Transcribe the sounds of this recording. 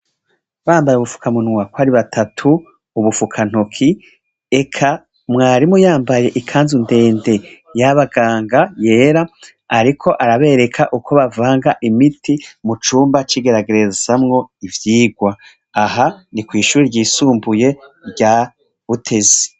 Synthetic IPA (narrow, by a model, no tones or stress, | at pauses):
βaːmbajeuβufu̥kʰamunŋakwaɾiβatʰatʰuː | βufukʰan̥hokʰi | e̞kʰa | mŋaːɾimujaːmbaje̞ʔikʰaːnzunde̞ːnde̞ | jaβaɡaːŋɡaje̞ːɾaː | ɾikʰo̞ʔaɾaβe̞ːɾe̞kʰaʔukʰo̞βavaːŋɡaʔimitʰimut͡ʃuːmbat͡ʃiɡe̞ɾaɡeɾe̞z̥amŋo̞ivjiːɡwaː | ɦanikwiːʃuːɾiɾɟiːsuːmbuje̞ɾɟaː | βutʰe̞ze̥